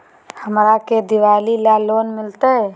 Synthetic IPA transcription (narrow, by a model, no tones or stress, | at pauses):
həmɾaked̪iʋalilalonmɪlt̪ə